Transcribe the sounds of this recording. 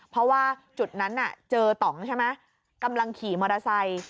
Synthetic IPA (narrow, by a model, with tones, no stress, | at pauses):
pʰɾɔ˦˥waː˥˩t͡ɕu˨˩t̪̚na˦˥nːa̰˨˩t͡ɕɤː˧t̪ɔ˨˩˦ŋt͡ɕʰa˥˩jma˦˥ | ka˧mla˧ŋkʰiː˩˦mɔː˧ɾa˧sa˧j